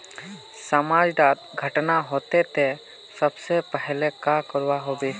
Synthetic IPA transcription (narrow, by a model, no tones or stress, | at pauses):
səmaːd͡ʒɖ̪aːt̪̚ɡʱəʈnaɦoːt̪et̪e | səbsepɛɦlekakəɾwaɦoːbiː